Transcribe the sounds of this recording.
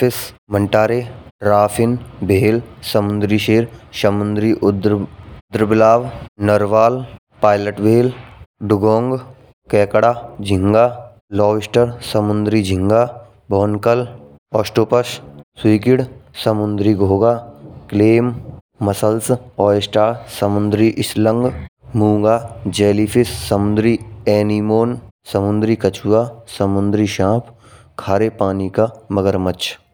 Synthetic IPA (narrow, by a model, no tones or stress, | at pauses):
ɪsməɳʈaːɾeɾaːpʰɪnbʱeːlsəmʊnd̪ɾiʃeːɾsəmʊnd̪ɾiʔd̪d̪ɾbɪlaːʋnəɾʋaːl | paːɪləʈbeːlɖʊɡɔ̃ːŋɡ | kɛːkɽaːd͡ʒʱɪŋɡaː | lɔːʋɪsʈəɾsəmʊnd̪ɾid͡ʒʱɪ̃ŋɡaː | bʱɔːnkəl | ɔːsʈoːpəsswiːkɪɽsəmʊnd̪ɾiɡʱoːɡakleːmː | ɐsəlsɔːsʈaːɾsəmʊnd̪ɾiʔɪslə̃ŋɡmũːŋɡaːd͡ʒeːlipʰɪsːəmʊnd̪ɾiɛːnimoːnsəmʊnd̪ɾikət͡ʃʰuʋasəmʊnd̪ɾiʃãːpʰ | kʰaːɾepaːnikaməɡəɾmət͡ʃʰ